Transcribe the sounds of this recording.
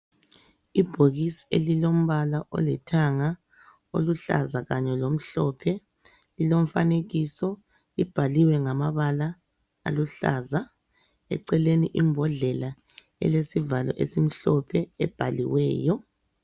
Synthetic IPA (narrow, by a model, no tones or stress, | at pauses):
ib̥ʱoɣisi̥ḛlilom̩βalaʔɔ̰lɛtʰaŋa | o̰luɬa̰zaɣaɲɛlom̩ɬɔpʰɛ | lilom̩faneɣisɔ | ib̥ʱaliwɛŋamaβala | a̰luɬa̰za | ɛ̰ǀɛleniʔimbʱɔɮɛla | ɛ̰lesivalɔ̰ʔḛsim̩ɬɔpʰɛɛb̥ʱalḭwɛ̰ːjɔ